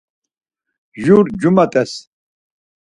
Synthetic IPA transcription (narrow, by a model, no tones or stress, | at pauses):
ʒuɾd͡ʒumat̪ʼɛs